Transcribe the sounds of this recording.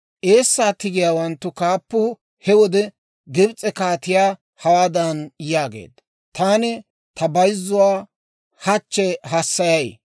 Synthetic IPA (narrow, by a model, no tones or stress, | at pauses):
ʔe̞ːsːaːt̪ɪɡɪjaːwɐnt̪ːʊkaːpːʊ | hɛwɔd̪ɛ | ɡɪbt͡sʼːɛkaːt̪ɪjaː | hɐwaːd̪ɐnjaːɡḛːd̪ | t̪aːnɛ | t̪ʰɐbɐjzːʊwaː | hɐt͡ʃːɛɦɐsːɐjɐj